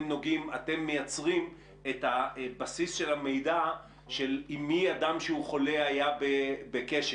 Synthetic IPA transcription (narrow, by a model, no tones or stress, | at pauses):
mno̞ɡimate̞mːejat͡sʁim | etabasisʃe̞lame̞jda | ʃelimːiadamʃeuχo̞le̞ajabebekeʃ